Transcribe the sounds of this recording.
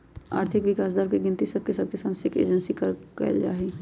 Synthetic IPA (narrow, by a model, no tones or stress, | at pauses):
a̰ːɾt̪ʰɪkʋɪkaːs̬d̪aːɾkeɡɪnt̪isɐb̚kesɐb̚kesãːnsɪkḛːd͡ʒənsikɐɾkɐ̰ld͡ʒa̰ːɦi